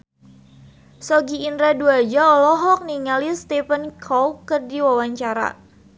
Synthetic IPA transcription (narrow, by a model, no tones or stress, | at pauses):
sɔɡiːndɾaduad͡ʒaɔlɔɦɔk̚niŋalist̪ɛpənkʰɔwkːərdiwawaɲt͡ʃaɾa̰